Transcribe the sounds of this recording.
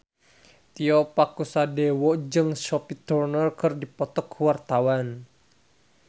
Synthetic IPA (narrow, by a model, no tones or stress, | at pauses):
t̪iɔpakusadɛwɔd͡ʒɨŋʃɔpit̪urnɔrkɨrdipɔt̪ɔkʰwart̪awan